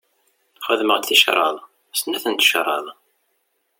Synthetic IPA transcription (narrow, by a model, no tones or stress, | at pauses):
χəðməʁt̪θiʃɾˤɑ̰ðˤ | snːæθənt̪ʃɾˤɑ̰ðˤ